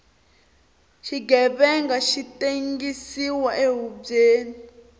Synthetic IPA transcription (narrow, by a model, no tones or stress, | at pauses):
ʃiɡɛβɛŋɡaʃiteŋɡisiwaʔeɦub͡ʐeːni